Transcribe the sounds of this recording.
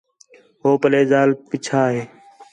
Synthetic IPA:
ɦoːpəleːzaːlpɪt͡ʃʰaːɦeː

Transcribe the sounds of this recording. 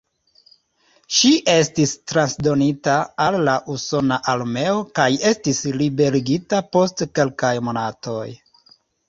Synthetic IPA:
ʃiʔe̞stistɾansdo̞nitaalːaʔuso̞naʔalme̞o̞kaje̞stislibe̞ɾiɡitapo̞stke̞lkajmo̞nato̞j

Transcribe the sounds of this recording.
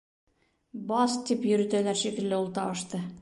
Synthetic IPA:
bɑst̪ipjɵ̆ɾɘ̆t̪ælæɾʃikɘ̆lːɘulˠt̪ɑbɤ̆ʃt̪ɤ

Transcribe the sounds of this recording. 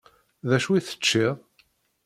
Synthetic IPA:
ðæʃwiθə̥t͡ʃːiʁ

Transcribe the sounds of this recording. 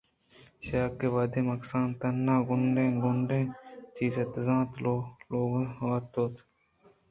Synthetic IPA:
ʃaːkːeːʋaːd̪eːmɐksãːnt̪ɐnːãːɡʊɳɖẽːɡʊɳɖẽːt͡ʃiːzet̪zãːt̪loloːɡaːt̪oːt̪

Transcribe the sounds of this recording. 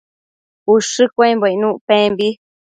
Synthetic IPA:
uʂɨkʷẽmboinũʔpẽmbi

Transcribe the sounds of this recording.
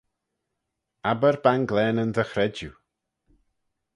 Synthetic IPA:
abəɾbanɡlɛːnəndəxɾɛd͡ʒjṵ

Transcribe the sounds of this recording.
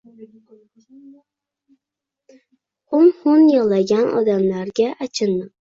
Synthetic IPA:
ʊnhʊnjɒlˠaɡʲanɒ̰d̪amlaɾɡʲaʔat͡ʃʰɪnːɪ

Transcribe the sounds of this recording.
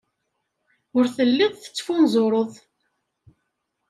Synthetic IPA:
ʊɾθəlːɪðˤθə̥t͡sːfunzˤoɾˤəðˤ

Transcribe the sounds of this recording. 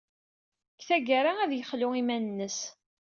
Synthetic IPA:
kθæɡaɾaæðjəχlʊimænənːəs

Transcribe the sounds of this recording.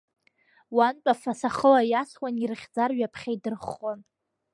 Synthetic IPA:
want͡pʼafasaχəlajaswanirɨχʲd͡zarɥapʰχʲaidɨrχːon

